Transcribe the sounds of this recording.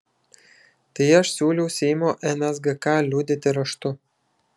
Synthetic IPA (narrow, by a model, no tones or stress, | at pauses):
t̪ɐɪɐʃsʲuːlʲɛʊsʲɛɪmoːʔɛnʲɛzɡɐkɑːlʲuːd̪ʲɪt̪ʲɪɾɐʃt̪ʊ